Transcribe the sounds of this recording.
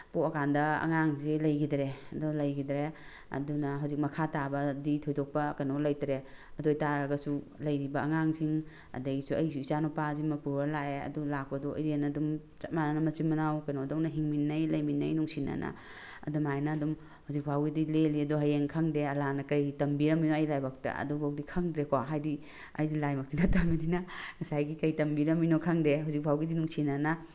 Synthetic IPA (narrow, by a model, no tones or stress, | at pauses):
poɐkandɐɐ̰ŋaŋzilɐjɡidɾeɐdɔlɐjɡidɾe | ɐ̰dunɐɦawzik̚mɐkʰatabɐditʰɔjdɔk̚pɐkajnolɐjtɾeɐdojtaɾɐɡɐsu | lɐjɾibɐɐŋaŋsiŋ | ɐ̰dɐjsuɐjsuisanopazimɐpuɾalaeɐ̰dulak̚pɐdɔɐ̰jɾenadum | t͡ʃɐt̚mananɐmɐt͡ʃimɐnawkɐjnodownɐɦiŋminːɐjlɐjminːɐjnuŋsʰina̰nʔa̰ | ɐ̰dumajnɐːdum | huzik̚bʱawɡidileliɐduɦajeŋkʰaŋdeɐlanɐkɐjtɐmbiɾɐminoɐjlajbak̚ta̰ɐ̰dubʱawdikʰaŋdɾekoɦajdi | ɐ̰jdilajmɐk̚tinatamininɐŋɐsajɡikɐjtɐmbiɾɐminokʰaŋdeɦuzik̚bʱawɡidinuŋsinana